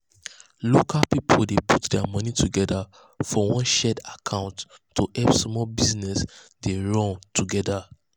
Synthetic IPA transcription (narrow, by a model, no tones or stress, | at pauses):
lokʰalpipʰoldeputdɛamʌnituɡɛda | fɔwɔ̃nʃɛdakʰãʊ̃ntː | uʔɛpsmɔlbiznɛsdeɹɔ̃ntʰuɡɛda